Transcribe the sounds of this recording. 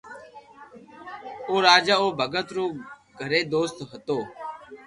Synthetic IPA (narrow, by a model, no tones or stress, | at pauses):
oːɾaːd͡ʒaːoːbʱəɡət̪ɾoː | ɡʱəɾeːd̪oːst̪ɦət̪oː